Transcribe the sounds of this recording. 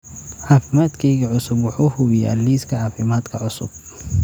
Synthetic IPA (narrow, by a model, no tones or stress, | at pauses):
ħaːfɪmaːd̪kʰɛjɣɐʕʊsʊbwʊħuːhʊwɪja̰ːlːiːskʰɐʕaːfɪmaːd̪kʰɐʕʊsʊ̰b̚